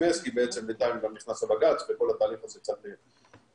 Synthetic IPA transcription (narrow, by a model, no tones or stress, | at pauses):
eskibeet͡semlit̪anvaniχnasabaɡat͡sbeko̞lat̪aːliχazekt͡sat̪i